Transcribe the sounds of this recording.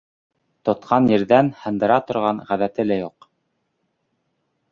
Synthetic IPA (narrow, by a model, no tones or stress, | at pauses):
t̪ŏt̪̚qʰɑnjɘ̆ɾðænhɤ̆nd̪ɤ̆ɾɑt̪ŏɾʁɑɴʁæðæt̪ɘlæjuq